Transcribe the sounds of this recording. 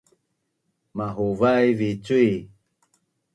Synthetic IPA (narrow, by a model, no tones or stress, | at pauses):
maɦuvajvit͡sui